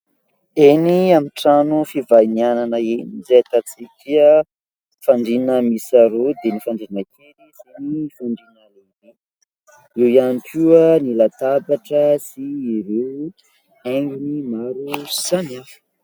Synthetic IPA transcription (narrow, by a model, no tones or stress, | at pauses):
eniamiʈ͡ʂanufivajniananəenizajat̪at͡sikʲə | faɳɖ͡ʐinəmisaɾod̪enifaɳɖ͡ʐinəkʲʰeɾisenifaɳɖ͡ʐinəleni | iwjanikiənilat̪abaʈ͡ʂəsiːɾew | eŋɡʲinimaɾusaniafə̥